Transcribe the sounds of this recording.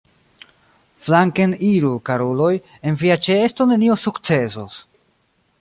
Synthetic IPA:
flaŋkeniɾukaɾolo̞j | e̞nviat͡ʃeesto̞ne̞nio̞sukt͡se̞so̰s

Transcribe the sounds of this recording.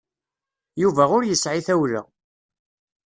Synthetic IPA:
juvæʊɾjəsʕiθæwlə̰

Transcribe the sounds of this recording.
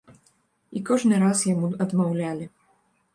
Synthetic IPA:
ikɔʐnɨɾasjamuɐd̪mawlʲalʲi

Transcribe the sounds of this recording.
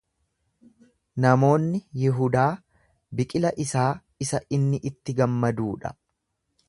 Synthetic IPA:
nɐmo̞ːnːɪjɪɦʊd̪aː | bɪkʼɪlɐʔɪsaː | ɪsɐʔɪnːɪʔɪt̪ːɪɡɐmːɐd̪uːᶑɐ̥̰

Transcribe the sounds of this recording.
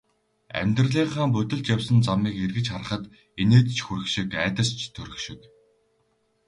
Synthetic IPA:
æ̰mʲt̪rɮiːχaːmpɵt̪ɵ̆ɮt͡ɕjawsə̆nt͡samiːkerɣɘ̆t͡ɕχarə̆χə̆t̪ | eneːt̪t͡ɕʰxuɾɘ̆xʃĭkæːt̪ə̆st͡ɕʰt̪ʰɵɾɘ̆xʃɪ̆k

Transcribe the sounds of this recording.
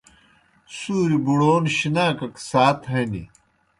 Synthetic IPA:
suːɾibuɽoːnɕinaːkɐksaːt̪ɦɐnḭ

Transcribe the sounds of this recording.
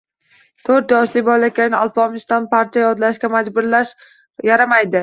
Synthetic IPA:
t̪ʰɵɾt̪jɒʃlɪbɒlakʲanɪɒlˠpɒmɪst̪anpaɾt͡ʃʰjajɒd̪laʃkʲamad͡ʒbʊɾlaʃ | jaɾamajd̪ɪ

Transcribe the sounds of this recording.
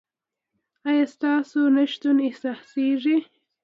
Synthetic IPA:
ɑjɑst̪ɑsonaʃt̪unehsɑseʐi

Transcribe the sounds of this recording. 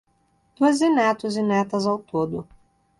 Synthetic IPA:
d̪̥uɐzinɛt̪ʊzɪnɛt̪ɐzawt̪od̪ʊ

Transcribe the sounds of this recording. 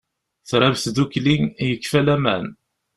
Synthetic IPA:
θɾˤavθðuklinjəkːfælæmæn

